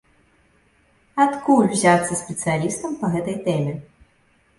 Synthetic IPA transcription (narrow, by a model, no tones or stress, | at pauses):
ɐt̪kulʲwzʲat̪sɐsʲpʲɛt̪sɨjalʲist̪ɐmpɐɣɛt̪ɐjt̪ɛmʲɛ